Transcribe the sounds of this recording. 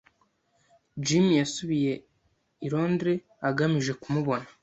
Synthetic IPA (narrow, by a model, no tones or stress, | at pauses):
d͡ʒimjasuβije̞ | iɾo̞ːndɾe̞ | aɡamiʒe̞kumuβo̞na